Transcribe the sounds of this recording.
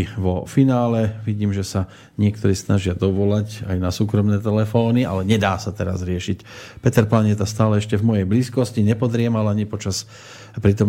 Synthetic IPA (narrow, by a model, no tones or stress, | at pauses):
ʋɔfinaːlɛʋiɟiːmʒɛsa | ɲɪɛkt̪ɔɾiːsnaʒɪad̪ɔʋɔlaca̰jnasuːkɾɔmnɛːt̪ɛlɛfɔːniʔa̰lɛɲɛd̪aːsat̪ɛɾa̰zɾɪɛʃicpɛt̪ɛɾplaɲɪɛt̪ast̪aːlɛɛʃcɛvmɔjɛjbliːskɔsciɲɛpɔd̪ɾɪɛmalaɲipɔt͡ʃas | pɾit̪ɔm